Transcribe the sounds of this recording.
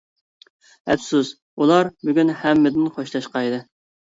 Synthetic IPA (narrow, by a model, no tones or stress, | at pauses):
ɛpsus | ulˠɑɾbyɡʲynhɛmːɪd̪ɪnχʰoʃlˠɑʃqɑjd̪ɨ